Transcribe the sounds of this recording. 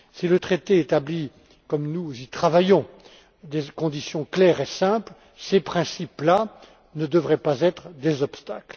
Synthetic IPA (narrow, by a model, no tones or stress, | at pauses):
silət̪χet̪eːt̪abli | kɔmnuzit̪χavajɔ̃ | d̪ekɔ̃d̪isjɔ̃klɛʁesɛ̃pl | sepχɛ̃sipla | nəd̪əvʁɛpazɛt̪χd̪ezɔpst̪akl